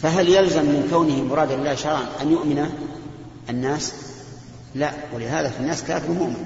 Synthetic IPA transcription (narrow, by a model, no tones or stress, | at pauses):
faɦaljalzamːɪnkawnɪhɪmʊɾˤɑːd̪alɪlːaːʃɑɾˤʕanʔanjʊʔmɪna | anːaːs | laʔwɪlɪɦaːðafinːaːskaːfɪɾʊmʊʔmɪn